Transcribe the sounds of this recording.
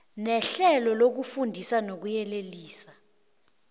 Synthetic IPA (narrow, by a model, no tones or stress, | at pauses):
nɛɬɛlɔlok̬ufundʱisanok̬ujɛleliːsa